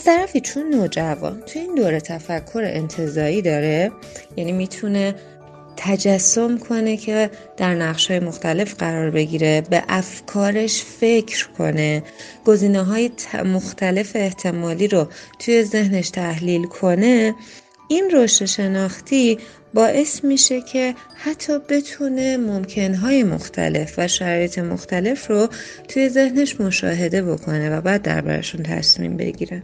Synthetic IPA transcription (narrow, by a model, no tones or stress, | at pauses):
æst̪ʰæɾæfit͡ʃʰonːod͡ʒævɒ̰ːnt̪ʰujeiːnd̪oːɾet̪ʰæfækʰːo̞ɾ̰ʔent̪ʰe̞zɒːɾiːd̪ɒːɾe | jæniːmiːt̪ʰune̞ | t̪ʰæd͡ʒæsːo̞mkʰo̞ne̞cʰe̞d̪̥æɾnæʁʃhɒːjemoxt̪ʰæle̞fɡɢæɾɒːɾbe̞ɟiːɾe̞be̞̰ʔæfkʰɒːɾe̞ʃfe̞cʰɾkʰo̞̰ne̞ɡ̥o̞ziːneɦɒːjet̪ʰmoxt̪ʰæle̞feːht̪ʰe̞mɒːliːɾot̪ʰuje̞ze̞hne̞ʃt̪ʰæhliːlkʰo̞ne̞ | ʔinroʃt̪eʃe̞nɒːxt̪ʰi | bɒːʔe̞smiːʃe̞cʰe̞ | hat̪ʰːɒːbe̞t̪ʰune̞momcʰe̞nɦɒːje̞mo̰xt̪ʰæ̰le̞fvæʃæɾɒːjet̪ʰe̞mo̰xt̪æle̞fro̞ | t̪ʰuje̞ze̞hne̞ʃmo̞ʃɒ̰ːɦe̞d̪e̞bo̞kʰo̞ne̞væbæːd̪̚ːæ̰ɾbæ̰ɾḛʃunt̪ʰæ̰smḭːmbḛɟḭːɾæn